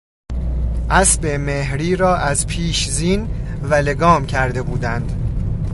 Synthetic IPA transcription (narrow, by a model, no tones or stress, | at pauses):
ʔæsbemehɾiːɾɒːʔæzpʰiːʃziːnvæle̞ɡɒːmcʰæɾd̪e̞buːd̪ænd̪